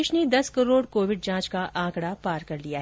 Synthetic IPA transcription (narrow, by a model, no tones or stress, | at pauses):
ɪʃned̪ɐskɐɾoːɽkoːʋɪɖ̚d͡ʒãːt͡ʃkaʔãːkɽapaːɾkɐɾlijaɦ